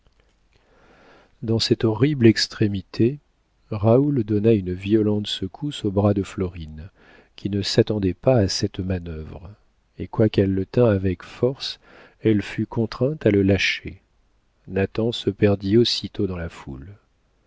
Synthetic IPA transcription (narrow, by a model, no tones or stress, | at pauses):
d̪ɑ̃sɛt̪ɔʁiblɛkst̪χemit̪ʰe | ʁauld̪ɔnaynviɔlɑ̃t̪səkʰusobʁad̪əflɔʁin | kʲʰinəsat̪ɑ̃d̪ɛpaːsɛt̪manœvʁ | ekwakɛlːət̪ɛ̃avɛkfɔʁs | ɛlfykɔ̃t̪χɛ̃t̪aləlaʃḛ | nat̪ɑ̃səpɛʁd̪iosit̪od̪ɑ̃lafṵl